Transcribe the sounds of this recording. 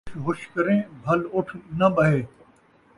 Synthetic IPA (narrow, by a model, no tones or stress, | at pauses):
ɦʊʃkɐɾẽːbʱɐlʊʈʰnɐɓɐɦeː